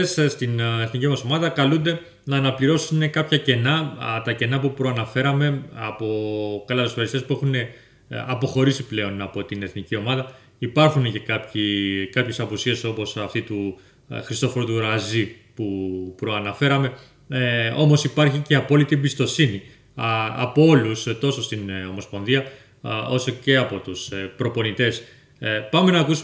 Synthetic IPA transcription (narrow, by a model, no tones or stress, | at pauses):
sst̪ineθnicimɐso̞mɐðɐkɐlund̪e̞ | nɐːnɐpliɾo̞sune̞kɐpçɐce̞nɐt̪ɐce̞nɐpupɾo̞ɐnɐfe̞ɾɐme̞ɐpo̞kɐlɐtosfeɾist̪espue̞xune̞ | ɐpo̞xo̞ɾisiple̞o̞nɐpo̞t̪ine̞θnicio̞mɐðɐ | ipɐɾxunece̞kɐpçikɐpçe̞sɐpusie̞so̞po̞sɐft̪it̪u | xɾist̪o̞foɾot̪uɾɐzi | pupɾo̞ɐnɐfe̞ɾɐme̞ | o̞mo̞sipɐɾçice̞ɐpo̞lit̪iebist̪o̞sini | ɐ̰po̞o̞lust̪o̞so̞st̪ino̞mo̞spo̞nðiɐ | o̞so̞ce̞ɐpo̞t̪uspɾo̞po̞nit̪e̞s | pɐme̞nɐːkusu